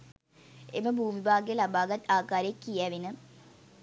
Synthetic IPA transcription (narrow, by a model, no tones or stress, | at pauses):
ḛməbʱuːmibʱaːɡejəlabaːɡat̪ːaːkaːɾeekːijæʋinə